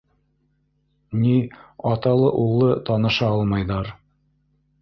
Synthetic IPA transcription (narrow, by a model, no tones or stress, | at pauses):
niɑt̪ɑlˠɤʔulˠːɤt̪ɑnɤ̆ʃɑɑlˠmɑjðɑɾ